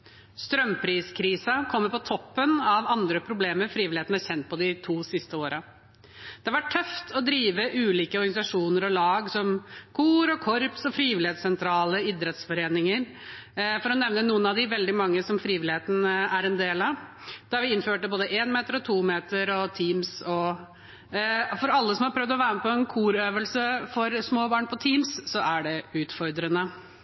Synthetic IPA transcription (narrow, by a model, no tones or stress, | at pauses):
st̪ɾœmpʰɾiːskʰɾiːsɑkʰɔmːəɾpɔt̪ʰɔpːənɑʋɑnd̪ɾəpʰɾʊbleːməɾfɾiːʋɪlɪeːt̪n̩æɾçɛnt̪̚pʰɔd̪ɪt̪ʰuːsɪst̪əoːɾɑ | d̪̥ɛʋɑʈʰːœft̪ʰɔd̪ɾiːʋəʔʉːliːkəɔɾɡɑnɪsɑʂuːnəɾɔlɑːɡsɔmkʰuːɾɔkʰɔɾpsɔfɾiːʋɪlɪheːt̪sɛnt̪ʰɾɑːləɪd̪ɾɛt̪sfɔɾeːnɪŋəɾ | fɔɾɔnɛʋnənuːənɑʋd̪ɪʋɛld̪ɪmɑŋːəsɔmfɾiːʋɪlɪheːt̪n̩æɾɛnd̪eːlɑʋ | d̪̥æɾʋɪɪnføːʈəboːd̪əʔeːnmeːt̪əɾɔt̪ʰuːmeːt̪əɾɔt̪ʰiːmsɔ | fɔɾɑlːəsɔmhɑɾpʰɾœʋd̪ɔʋæːɾəməpɔɛnkʰuːɾøːʋəlsəfɔɾsmoːbɑːɳpʰɔt̪ʰiːmssɔʔæɖɛʉːt̪fɔɾd̪ɾənə